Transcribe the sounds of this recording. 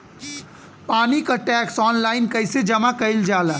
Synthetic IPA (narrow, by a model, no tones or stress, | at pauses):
paːnikaʈɛksɔnlainkəjsed͡ʒəmakəjld͡ʒala